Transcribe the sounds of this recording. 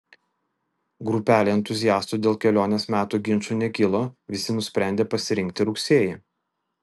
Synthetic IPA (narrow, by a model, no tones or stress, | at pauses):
ɡɾʊpʲæːlʲeːɛnt̪ʊzʲɪjæːst̪uːd̪ʲeːlˠkʲɛlʲoːnʲesmʲæːt̪uːɡʲɪnˑt͡ʃuːˑnʲɛkʲɪlˠoʋʲɪsʲɪnʊsʲpʲɾʲæˑnʲd̪ʲeːpɐsʲɪɾʲɪŋʲk̚ʲt̪ʲɪɾʊksʲeːjɛ